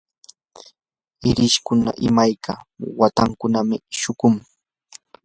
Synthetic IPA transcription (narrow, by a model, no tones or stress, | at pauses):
ɪɾɪʃkʊna̰ʔɪmajkawat̪aŋkʊnamɪʃʊkʊŋ